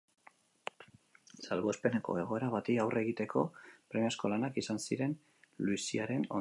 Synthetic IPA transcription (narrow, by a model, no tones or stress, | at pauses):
salβo̞espe̞ne̞ko̞̰e̞ɣ̞o̞e̞ɾaβat̪iawre̞ɣit̪e̞kʰo̞pɾemasko̞lanakisansiɾe̞n | luisiaɾe̞no